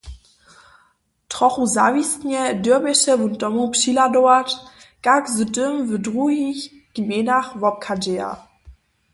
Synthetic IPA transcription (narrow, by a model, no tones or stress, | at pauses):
tʁ̥ɔχuzavistɲɛdøɐmɛʃɛvuntɔmupʂiladɔvat | kakzətʏmvədʁuɦiç | ɡ̥menaχvɔp̚kʰad͡ʒea̰